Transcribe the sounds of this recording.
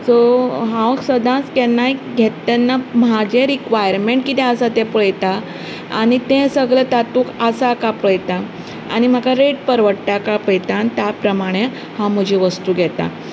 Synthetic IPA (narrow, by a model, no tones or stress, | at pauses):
soɦãʋksəd̪ãskɛnːajɡʱɛt̪anːamad͡ʑeɾikʋajəɾmeɳʈ̚kit̪ɛ̃əsat̪ẽpəɭjt̪a̰ː | ɽ̃it̪ẽsəɡɭət̪at̪ũkəsakapəjt̪a | a̰ɽ̃im̤akaɾeʈpəɾʋəɽt̪akapəjt̪ãnt̪japɾəmaɽ̃e | hãm̤əd͡ʑʱiʋəst̪uːɡʱɛt̪a̰